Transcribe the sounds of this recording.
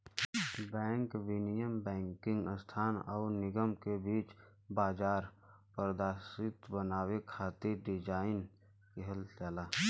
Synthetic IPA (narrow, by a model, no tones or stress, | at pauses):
bɛ̃ːŋkʋɪnijəmbɛ̃ːŋkɪ̃ŋɡəst̪ʰaːnɔ̰ːɾnɪɡəmkebiːt͡ʃ | baːd͡ʒaːɾ | pəɾd̪aːsɪt̪bənaːwekʰaːt̪eɖɪd͡ʒaːɪn | keɦəlt͡ʃaːlaː